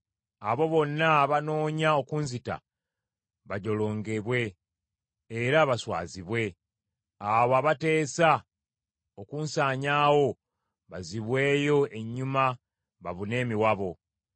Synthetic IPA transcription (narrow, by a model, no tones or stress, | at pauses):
aβo̞βo̞nːaβano̞ːɲao̞kuːnzita̰ | βaɟo̞lo̞ːŋɡe̞βwe̞ː | ɾaβaswa̰ːziβwe̞ | aβoaːβate̞ːsa | okuːnsaːɲaːwo̞ | βaziβwe̞ːjo̞e̞ɲːuma | βa̰βune̞ːmiwaβo̞